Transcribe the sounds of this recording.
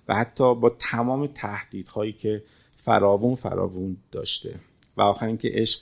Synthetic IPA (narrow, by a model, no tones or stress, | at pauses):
væ̰hæt̪ʰːɒːbɒːt̪ʰæmɒːmet̪ʰæhd̪̥iːd̪hɒːjiːcʰe̞ | fæ̰ɾɒːvunfæ̰ɾɒ̰ːvund̪ɒ̰ːʃt̪e̞̰ | væɒːxæɾiːncʰḛʔeʃq